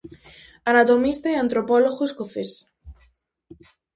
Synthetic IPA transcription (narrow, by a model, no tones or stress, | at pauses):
anat̪omist̪aeant̪ɾopɔloɣoeskoθes